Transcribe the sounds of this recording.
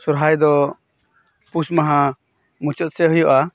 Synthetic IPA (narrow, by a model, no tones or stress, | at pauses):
suɾɦajd̪ɔ | pusmaɦã | mut͡ʃɔt̪̚sɛɦujɔʔa